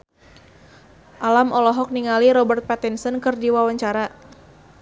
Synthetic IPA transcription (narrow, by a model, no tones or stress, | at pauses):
ʔalamʔɔlɔɦɔk̚niŋaliɾɔbərt̪̚pat̪insənkɨrdiwawaɲt͡ʃaɾa